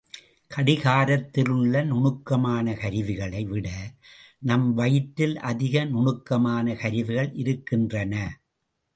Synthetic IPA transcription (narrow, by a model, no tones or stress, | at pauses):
kɐɽɪɣaːɾɐt̪ːɪlɯɭːɐnʊɳɯkːɐmaːnɐkɐɾɪʋɪɣɐɭɐɪʋɪɽɐ | nɐmʋɐjɪʈːɪlʔɐðɪɣɐnʊɳɯkːɐmaːnɐkɐɾɪʋɪɣɐɭʔɪɾɯkːɪndrɐnɐ